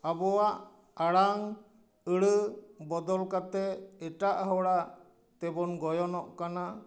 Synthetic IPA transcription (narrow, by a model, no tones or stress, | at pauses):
abɔwaʔ | aɽaŋ | əɽəbɔd̪ɔlkat̪ɛɛʈaʔɦɔwɽaʔ | t̪ɛbɔnɡɔjɔnɔʔkana